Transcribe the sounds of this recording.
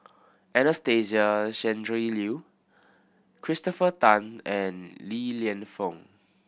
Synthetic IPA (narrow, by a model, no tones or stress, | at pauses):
ʔɛ̃nəsteziaʃɛ̃ndɹilu | kʰɹistɔfətãnɛ̃nliliə̃nfɔ̃ŋ